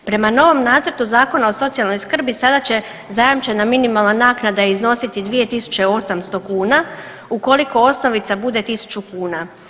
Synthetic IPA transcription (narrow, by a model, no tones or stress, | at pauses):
pɾe̞mano̞ʋo̞mnaːt̪sr̩t̪uzaːko̞nao̞so̞t̪sialˠno̞jskr̩bisad̪at͡ɕe̞ | zajamt͡ʃe̞naminimalˠnanaːknad̪aizno̞sit̪id̪ʋije̞t̪isu̥t͡ɕe̞o̞samst̪o̞kuːna | uko̞liko̞o̞sno̞ʋit̪sabud̪e̞t̪isu̥t͡ɕukuːna